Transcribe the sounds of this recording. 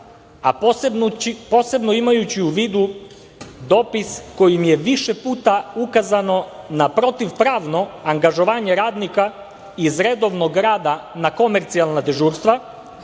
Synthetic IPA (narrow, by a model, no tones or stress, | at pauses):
a̰bipo̞ːse̞bnoimajut͡ɕiuʋiːd̪u | d̪o̞ːpisko̞jimje̞ʋiʃepuːt̪aukazano̞napɾo̞t̪iʋpɾaːʋno̞aŋɡaʒo̞ʋaːɲe̞ɾaːd̪nika | izɾed̪o̞ʋnoɡɾaːd̪anako̞me̞ɾt̪sialˠnad̪eʒuːɾst̪ʋa